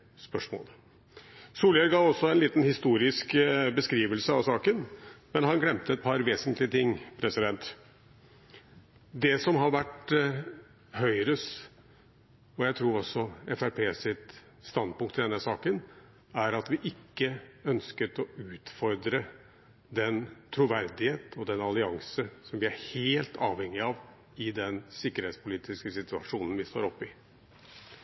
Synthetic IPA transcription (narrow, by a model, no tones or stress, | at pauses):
spœʂmo̰ːl | suːljɛɾɡɑːʋɔsːɔɛnliːt̪nhɪst̪uːɾɪskbəskɾiːʋəlsəɑʋsɑːkənmɛnɦɑnɡlɛmt̪əɛt̪̚pʰɑɾʋeːsənt̪ʰlɪət̪ʰɪŋːpʰɾɛsɪd̪ɛnt̪ | d̪ɛsɔmɦɑɾʋæʈ | hœʏɾəs | ɔjæɪt̪ʰɾuːɾɔsːɔɛfæɾpʰeːsɪt̪ | st̪ɑnd̪̚pʊŋkt̪ʰːɪld̪ɛnːəsɑːkən | æɾɑt̪ʋɪʔɪkːəœnskət̪ɔʉːt̪fɔɾd̪ɾə | d̪ɛnt̪ʰɾuʋæɾd̪ɪheːt̪ɔd̪ɛnɑlɪɑŋsəsɔmʋɪæɾheːlt̪ʰɑ̰ːʋhɛŋːɪɑʋ | ɪd̪ɛnsɪkːəɾheːt̪spʰʊliːt̪ɪskəsɪt̪ʉɑ̰ʂuːnən̩ʋɪst̪o̰ːɾɔpːɪ